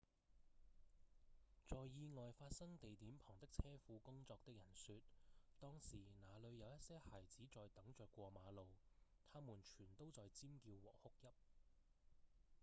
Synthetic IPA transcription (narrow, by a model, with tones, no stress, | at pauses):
t͡sɔː˨jːiː˧ŋɔː˨jfaː˧t̚sɐ˥ŋt̪e˨jt̪iː˨˥mpʰɔː˨˩ŋt̪ɪ˥k̚t͡sʰɛː˥fuː˨˧kʊ˥ŋt͡sɔː˧k̚t̪ɪ˥k̚jɐ˨˩nsyː˧t̪̚t̪ɔː˥ŋsiː˨˩naː˨˧lɵ˨˧ɥjɐ˨˧wjɐ˥t̚sɛː˥haː˨˩jt͡siː˨˥t͡sɔː˨jt̪ɐ˨˥ŋt͡ʃœː˨˧kːʷɔː˧maː˨˧lo˨˧wt̪ʰaː˥muː˨˩nt͡ʃʰyː˨˩nt̪o˥wt͡sɔː˨jt͡siː˥mkiː˧wwɔ̰ː˨˩hʊ˥k̚jɐ˥p̚